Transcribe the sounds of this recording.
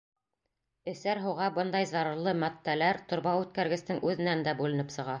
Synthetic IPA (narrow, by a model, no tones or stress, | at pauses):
ɘ̆sæɾɦɤʁɑbɤnd̪ɑjzɑɾɤ̆ɾlˠɤmæt̪ːælæɾt̪ŏɾbɑʉt̪̚kæɾɡɘ̆st̪ɘŋʉðɘ̆nænd̪æbʉlɘ̆nɘpsɤ̆ʁɑ